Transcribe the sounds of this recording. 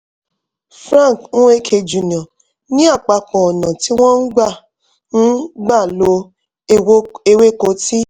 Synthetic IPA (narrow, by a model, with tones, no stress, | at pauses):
fɾã˦˨knũ˦e˦kʰe˧d͡ʒu˨n˨ã˨ | nĩ˦a˦˨k͡pa˧kɔ̃˨ɔ˨nã˨ti˨˦w̃ɔ̃˦n̩˦ɡ͡ba˦˨ | n̩˦ɡ͡ba˦˨lo˧˦ | e˧we˦ko˨˦ti˦